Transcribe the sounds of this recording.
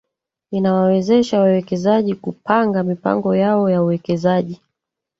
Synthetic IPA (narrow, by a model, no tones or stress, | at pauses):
inawawɛzɛʃawawɛkɛzaʄikupaŋɡamipa̰ŋɡɔjaɔjauwɛkɛzaʄi